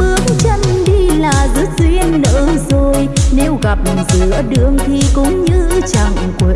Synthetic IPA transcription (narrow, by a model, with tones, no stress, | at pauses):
ɓɨ˨˦əŋt͡ɕə˧nɗi˧laː˨˩zɨ˨˦˥t̚zwi˧ənːə̰ː˧˥zo˨˩jne˧wɣa˨˩p̚zɨ˧˩˦əɗɨ˧˨əŋt̪ʰi˨˩kʊ̰˧˥ŋ͡mɲɨ˧t͡ɕa˨˧˩ŋkwe˨˧˨